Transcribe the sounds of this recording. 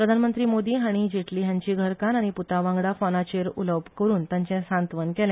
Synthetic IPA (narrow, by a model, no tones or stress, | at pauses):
pɾəd̪ʱanmənt̪ɾiːmod̪iːɦaɽ̃id͡ʑeʈʰliːjãɲt͡ɕiːɡʱəɾkanaɽ̃iput̪aʋãŋɡɽafɔnat͡ɕeɾṵləʋbʱkəɾuːnt̪jaɲt͡ɕɛ̃sãnt̪ʋənkɛljã